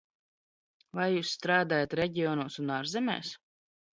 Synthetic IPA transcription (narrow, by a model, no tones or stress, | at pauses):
vajjuːsːt̪ɾaːd̪aːjat̪ɾɛɟʲiɔːnuɔsunaːɾzɛmɛ̰ːs